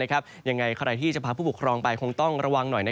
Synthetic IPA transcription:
na˦˥kʰa˦˥p̚ja˧ŋːa˧jkʰa˥˩˧ɾa˧jt̪ʰiː˥˩t͡ɕa˧˩pʰaː˧pʰuː˥˩bu˨˩kʰɾɔː˧ŋpa˧jkʰo˧ŋt̪ɔ˥˩ŋɾa˧wa˧ŋnɔ˨˩jna˦˥

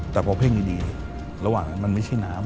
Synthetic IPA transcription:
t̪ɛː˨˩pʰɔː˧pʰeː˥˩ŋniː˧˩diː˧n˧˩ | ɾa˧waː˨˩ŋa˦˥nma˧nma˥˩jt͡ɕʰa˥˩jnaː˦˥m

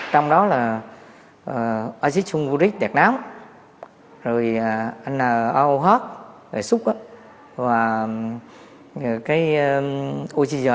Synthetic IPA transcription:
t͡ɕɔ˧wŋ͡mɗɔ˨˦laː˨˩ | ʔə˨˩ʔaː˧zi˦˥t̚su˧ŋ͡mvu˧ɾi˦˥k̚ɗɛ˨˩k̚naː˨˦m | zo˨˩jə˨˩ʔa˧jŋaː˨˩ʔa˧wɦaː˦˥t̚vḛ˧˩sʊ˦˥k͡p̚ʔaː˨˧˦ | vaː˨˩˨ | kaː˨˦jʔo˧t͡ɕi˧zəː˨˩

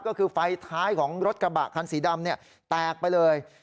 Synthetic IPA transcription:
kɔː˥˩kʰɯː˧fa˧jt̪ʰaː˦˥jkʰɔː˩˦ŋɾo˦˥t̪̚kɾa˧ba̰˨˩kʰːa˧nsiː˩˦da˧mni˥˩ɐə | t̪ɛː˨˩k̚pa˧jlɤː˧j

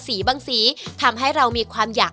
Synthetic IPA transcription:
siː˩˦baː˧ŋsiː˩˦t̪ʰa˧mɦa˥˩jɾa˧wmiː˧kʰwaː˧mjaː˨˩

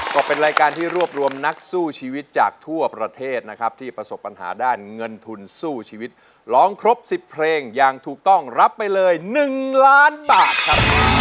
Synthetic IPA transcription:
kɔː˥˩pe˧nɾaː˧jkaː˧nt̪ʰiː˥˩ɾu˥˩əp̚ɾu˧əmna˦˥k̚suː˥˩t͡ɕʰiː˧wi˦˥t̪̚t͡ɕaː˨˩k̚t̪ʰu˥˩ɐpɾa˧t̪ʰeː˥˩t̪̚na˦˥kʰa˦˥p̚t̪ʰiː˥˩pɾa˧so˨˩pːa˧nɦa̰ː˩˦daː˥˩nŋɤ˧nt̪ʰu˧nsuː˥˩t͡ɕʰiː˧wi˦˥t̪̚ | lɔː˦˥ŋkʰɾo˦˥p̚si˨˩pʰːɾeː˧ŋja˧ŋt̪ʰuː˨˩k̚t̪ɔ˥˩ŋɾa˦˥pːa˧jlɤː˧jnɯ˨˩ŋlaː˦˥nbaː˨˩t̪̚kʰɾa˦˥p̚

